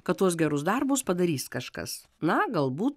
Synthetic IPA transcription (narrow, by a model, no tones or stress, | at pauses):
kɐt̪t̪ːuɔsɡʲɛɾʊsd̪ɐɾbʊspɐd̪ɐɾʲiːskɐʃkɐ̰s | nɐɡɐlˠbuːt̪